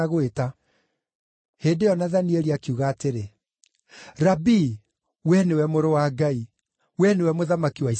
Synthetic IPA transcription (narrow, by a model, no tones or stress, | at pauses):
ɣweta | heːndejɔnaðanieɾiakiuɣaːteɾe | ɾabi | wɛnewɛmoɾowaɡai | wɛnewɛmoðamakiwai